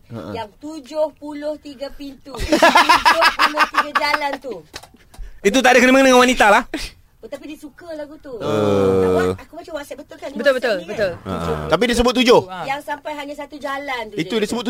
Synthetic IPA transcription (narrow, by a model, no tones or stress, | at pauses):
ə̰ʔjaŋt̪ud͡ʒʊhpulʊht̪iɡapint̪u | opulʊt̪iɡad͡ʒalant̪u | it̪̬ut̪adakənaməŋənaŋanwanit̪alah | t̪apidiəsukəlaɡut̪uəaakubat͡ʃawasɛbət̪ʊlkanbət̪ʊlbət̪ʊlbət̪ʊlə̰t̪ap̬idis̬əbʊt̪̚ːud͡ʒʊhjaŋsampajɦaɲasat̪ud͡ʒalant̪it̪udisəbʊt̪ː